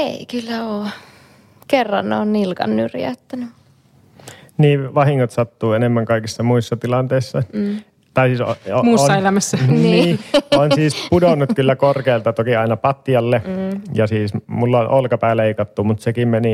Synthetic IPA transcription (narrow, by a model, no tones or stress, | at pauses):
ḛˑikylːæoː | kerːɑ̰nneo̰ːnnilkɑ̰nnyrjæ̰yt̪ːæny | niːʋɑhiŋːot̪sɑt̪ːuːenemːæŋkɑˑikisːɑmuisːɑt̪ilɑnt̪eˑisːɑ | t̪ɑˑisiːsomuːsoːɑelæmæsːæniiːonsiːspudonːut̪̚kylːækorkeːlt̪ɑt̪okiɑˑinɑpɑt̪ːijɑlːejɑsiːsmulːɑnʔolkɑpæˑeleˑikɑt̪ːumut̪sekimmeni